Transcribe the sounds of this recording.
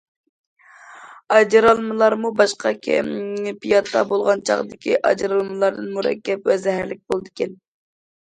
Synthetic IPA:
ɑd͡ʒɾɑlˠmɨlˠɑɾmubɑʃqʰɑkʲʰɛ̰mpijɑt̪ʰːɑ̰bolˠʁɑnt͡ʃʰɑ̰ʁd̪ɪkʲʰiʔɑ̰d͡ʒɾɑlˠmɨlˠɑɾd̪ɨnmuɾɛ̰kʲːɛpwɛzɛɦæɾlɪk̚ʲbolˠd̪ɨkʲɛn

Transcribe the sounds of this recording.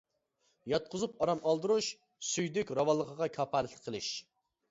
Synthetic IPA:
jɑt̪̚qʰʊzupɑɾɑmʔɑlˠd̪ɨɾuʃ | syjd̪ykʲɾɑwɑlˠːəqʰəʁɑkʲʰɑːpʰɑlɪt̪ɪqʰːəlˠɨʃ

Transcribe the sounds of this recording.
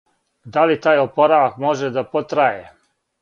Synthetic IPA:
d̪alit̪aːjopo̞ɾaʋakmo̞ʒed̪apot̪ɾaje

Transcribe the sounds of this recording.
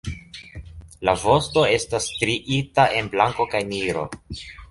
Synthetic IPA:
lavo̞sto̞e̞stastɾiʔitaʔe̞nblaŋko̞kajniɾo̞̰

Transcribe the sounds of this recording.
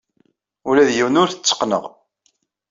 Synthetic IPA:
ulæðjiwnʊɾθə̥t͡sːə̥qnə̰ʁ

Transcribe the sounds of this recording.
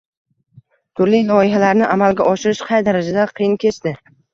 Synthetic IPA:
t̪ʰʊɾlijlɒɪɦalaɾnɪʔamalɡʲaʔɒʃɪɾɪʃqʰɑjd̪aɾad͡ʒad̪aqʰɨjɪnkʲʰe̞t͡ʃt̪ɪ

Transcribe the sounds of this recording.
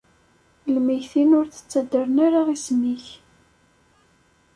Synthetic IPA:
lmijθinʊɾθə̥t͡sːæd̪əɾənaɾaʁismiç

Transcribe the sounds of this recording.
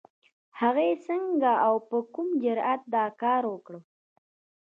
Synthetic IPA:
haɣajesəŋɡaawpəkumd͡ʒʊɾat̪̚d̪ɑkɑɾwəkɽə

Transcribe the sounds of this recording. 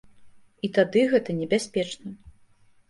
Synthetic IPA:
it̪ad̪ɨɣɛt̪ɐnʲɛbʲasʲpʲɛt͡ʂnɐ

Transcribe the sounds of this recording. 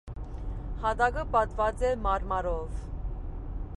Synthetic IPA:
hɑd̪ɑɡəpɑt̪vɑt͡sɛmɑɾmɑɾɔv

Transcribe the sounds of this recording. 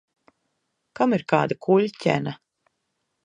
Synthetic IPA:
kamiɾkaːd̪akʰuʎʲcʲɛ̰na

